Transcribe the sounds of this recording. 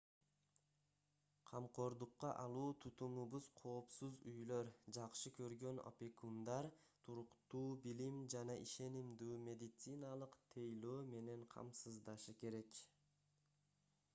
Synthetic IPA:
qʰɑmqo̞ɾd̪uqːɑʔɑlˠuːt̪ʰut̪umuβuz̥qʰo̞ːpsuzyjløɾd͡ʒɑqʃɯkʰøɾɡø̞no̰pʲekund̪ɑɾ | t̪ʰuɾuqt̪uːbilimd͡ʒɑnɑʔiʃe̞nimd̪yːmʲe̞d̪ʲit̪sɨnɑlˠɯqt̪ʰejløːme̞ne̞ɴqʰɑ̰msɯzd̪ɑʃɯke̞ɾe̞k

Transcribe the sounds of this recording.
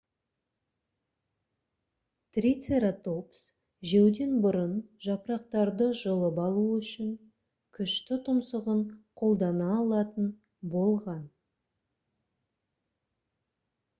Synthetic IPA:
t̪rʲit̪seɾat̪o̞ps | ʒewd̪e̞nbʊɾənʒɑpɾɑqt̪ɑɾd̪əʒəlˠəpɑlˠuʏʃɪŋ | kʲʰʏʃt̪ɪt̪ʰʊmsəʁəɴqʰo̞lˠd̪ɑnɑːlˠɑt̪ən | bo̞lˠʁɑn

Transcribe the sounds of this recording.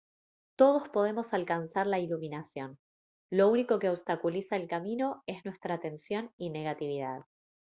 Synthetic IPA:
t̪o̞ð̞o̞spo̞ð̞e̞mo̞salkansaɾlailuminasjo̞n | lo̞uniko̞keoβst̪akulisaelkamino̞e̞znwe̞st̪ɾaːt̪e̞nsjo̞nine̞ɣat̪iβ̞iða̰ð̞

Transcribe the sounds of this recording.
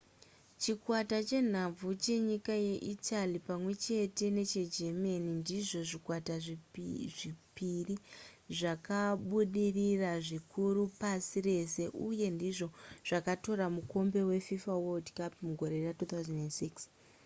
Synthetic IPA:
t͡ʃikwatat͡ʃe̞n̤ab͡vut͡ʃe̞ɲikaje̞ʔitalipamwe̞t͡ʃe̞te̞ne̞t͡ʃe̞d͡ʒemanindiʐo̞ʐikwataʐiʐipiriʐakaɓuɗiriraʐikuɾupasire̞se̞ʔuje̞ndiʐo̞ʐ̥akato̞ɾamuko̞mbe̞we̞fifawodkapmuɡʱo̞ɾe̞ratuːt̪awzanendsiks

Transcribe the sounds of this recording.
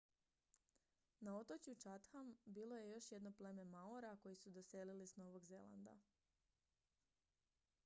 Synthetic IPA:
nao̞t̪ot͡ɕjut͡ʃat̪xambiːlˠo̞je̞jo̞ʃje̞d̪no̞ple̞me̞maoɾako̞jisud̪ose̞lilisno̞ʋo̞ɡze̞la̰nd̪a̰

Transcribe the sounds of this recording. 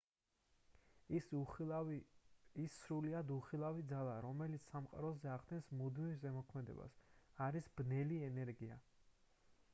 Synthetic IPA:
isːɾuliad̪uχilˠavid̪zalˠaɾɔmɛlit̪sʰsamqʼa̰ɾɔzɛaʁd̪ɛnsmud̪mivzɛmɔkʰmɛd̪ɛ̰ba̰saɾisbnɛliɛnɛɾɡia̰

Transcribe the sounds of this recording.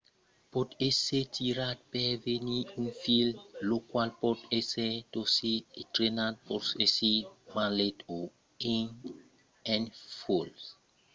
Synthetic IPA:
pɔtesetʰiɾat̚pɛveniũnfillokwalpɔtesetositɾenat̚pɔsesimaleto | ẽŋ | ɛ̃nfols

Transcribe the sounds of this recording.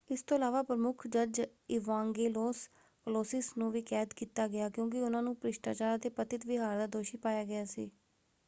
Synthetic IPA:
ɪst̪oːəlaːʋaːpɾəmʊkʰd͡ʒəɾd͡ʒ | ɪʋãːŋɡeːloːs | kəloːsɪsnũːʋiːkɛːd̪kiːt̪ːaːɡɪjaːkjõːk̬ɪʊnãːnũːpɾɪʃʈa̰ːt͡ʃaːɾaːt̪eːpət̪ɪt̪ʋɪɦaːɾd̪aːd̪oːʃiːpaːjaːɡɪaːsḭː

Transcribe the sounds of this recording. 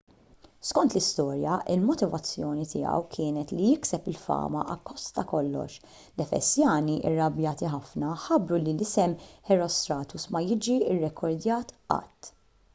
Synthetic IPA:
skɔnt̪lɪst̪ɔːɾjɐʔɪlmɔt̪ɪvɐt͡sːjɔːnit̪ɪ̰jɐ̰wkʰɪːnɛt̪lijɪksɛpɪlfɐ̰ːmɐ̰ʔɐkːɔst̪t̪ɐkɔlːɔ̰ʃ | lɛfɛ̰sjɐːniʔɪ̰rːɐbjɐːt̪iħɐfnɐħɐbɾulilɪsɛmħɛɾɔst̪ɾɐːt̪usmɐjɪd͡ʒiɪrːɛkʰɔɾd̪jɐːt̪ɐ̰t̪ː

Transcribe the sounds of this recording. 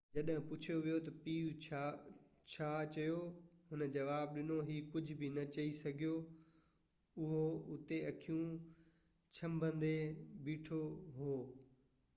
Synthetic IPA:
d͡ʑɐɗɦɪ̃pʊt͡ɕʰijoʋijot̪ɐpiːʋʰa | t͡ɕʰaːt͡ɕɐjo | ɦʊnə̆d͡ʑɐʋaːb̚ɗɪnoɦiːkʊd͡ʑʱbʱɪnɐt͡ɕɐisɐɡʱijo | ʊɦoʊt̪eɐkʰijũ | t͡ɕʰɐ̃mbʱə̃nd̪ebiːʈʰoɦoː

